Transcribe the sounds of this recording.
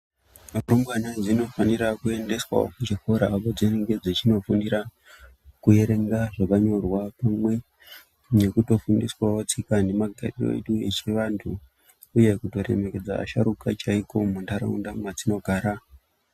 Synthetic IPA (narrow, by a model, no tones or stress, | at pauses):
romwanad͡zino̞faniɾakue̞nde̞swa̰o̰kut͡ʃifoɾaːpod͡ziniŋɡe̞d͡zet͡ʃino̞fundiɾa | kuje̞ɾe̞ŋɡaʐakaɲo̞rwapamwe̞ | ne̞kuto̞fundiswawot͡sikane̞maɡʱa̰riro̰ḛɗuḛt͡ʃeʋantʰuː | je̞kuto̞ɾḛme̞ke̞d͡za̰ːʃaɾukat͡ʃaiko̞mundaɾa̰undamwad͡zino̞ɡʱaːɾa